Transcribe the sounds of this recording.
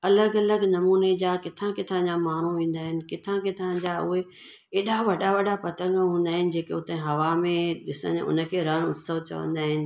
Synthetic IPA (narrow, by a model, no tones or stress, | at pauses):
ɐləɡɐləɡnɐmuːned͡ʑaːkɪt̪ʰãkɪt̪ʰãd͡ʑamaːɳ̤uʋĩːn̆d̪aːɦɪnɪ̆kɪt̪ʰãkɪt̪ʰãd͡ʑaʊɦe | eːɗaʋɐɗaʋɐɗapɐt̪ə̃ŋɡəɦũːn̆d̪aːɦɪnɪ̆d͡ʑeːkeʊt̪ə̃ɦɐʋamẽɗɪsə̰̃ʊ̰nə̆kʰeːɾənʊt̪səʋt͡ɕɐ̰ʋə̰̃nd̪aːɦɪnɪ̆